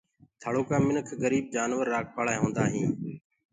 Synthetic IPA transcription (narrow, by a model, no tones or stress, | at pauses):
t̪ʰaːɭoːkãːmɪnəkʰɡəɾiːb̚d͡ʒaːnʋəɾːaːk̚paːɭaːeɦõːnd̪aːɦĩː